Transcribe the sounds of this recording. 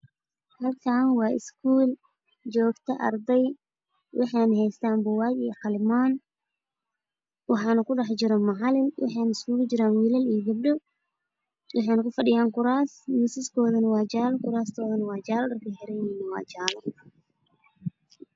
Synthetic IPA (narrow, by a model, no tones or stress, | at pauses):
hɐlkʰaːnwɑːʔɪ̰skʰuːl | t͡ʃɔːɡt̪ʰɐʔɐ̰rd̪ɛj | wʔɑħɑːnɐɦɛjst̪ʰaːmbɔwɑːjiħɑlɪmaːn | wɑħɑːnɐkʰʊɖɑħt͡ʃɪɾɔmɑʕɑlɪnwʔɑ̰ħɑjnɐɪskuːld͡ʒɪɾaːnwiːlɐlijɡɐb̚ɖɔ | wɑħɑjnɐkʰʊfɐɖɪjaːŋkʰʊɾaːsmɪsɪskʰɔːðɐnɐwɑːt͡ʃaːlkʰʊɾaːst̪ʰɔːðɐnɐwɑːt͡ʃaːlɗɐrkʰɐħɛɾɛnɪnɪwɑ̰ːt͡ʃaːlɔ